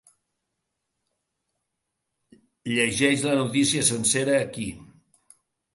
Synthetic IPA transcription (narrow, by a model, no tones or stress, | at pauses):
ʎəʒɛʃlənut̪isiəsənseɾəːki